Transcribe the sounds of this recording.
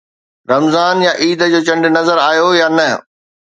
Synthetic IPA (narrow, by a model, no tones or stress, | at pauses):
ɾɐmzaːnjaʔiːd̪ə̆d͡ʑoːt͡ɕɐ̃ɳɖɪ̆nɐzəɾaːjojaːnɐ